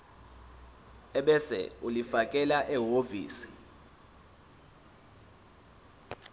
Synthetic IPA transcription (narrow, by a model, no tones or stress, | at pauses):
ɛɓɛsɛ̰ulifakʼɛlaʔɛɦovḭːsi̥